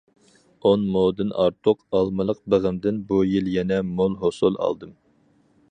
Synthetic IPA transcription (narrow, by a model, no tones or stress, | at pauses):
onmod̪ɨnʔɑ̰ɾt̪ʰʊqɑlˠmɨlˠəq̚bəʁɨmd̪ɪnbujilˠjɛnɛmolˠɦosulˠɑ̰lˠd̪ɨm